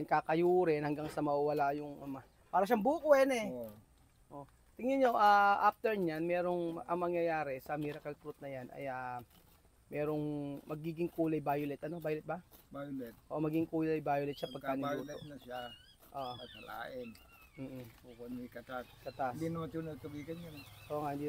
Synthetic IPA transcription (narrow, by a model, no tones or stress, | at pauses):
nkakɐjuːɾɛnhɐŋɡaŋsɐmɐwɐwɐlajʊŋɐma | paːɾɐʃ̬aŋbuːkʊɛnɛ | ʔoʔ | t̪ɪŋɪɲo̞ʔaːʔaft̪ɛɹɲanmɛːɾo̞ŋʔɐŋmɐŋjɐjaːɾɛsɐmiɾɐkɐlk̪ɾut̪̚nɐjanʔɐ̰ja | mɛːɾo̞ŋmɐɡiːɡɪŋkuːlɐjbaːjolɛt̪ʔɐno̞baːjʊlɛt̪̚bɐbajolɛt̪̚ʔoʔmɐɡɪŋkuːlɐjbaːjolɛt̪sɐpɐɡ̚aːnɪjuːlɛotʔʃa | ʔoʔsɐla̰ːʔɪn | m̩ːukonikɐt̪askɐt̪ad̪inɐmɐt̪unɐt̪ubiːkɐnjanʔoŋaʔhɪnd̪i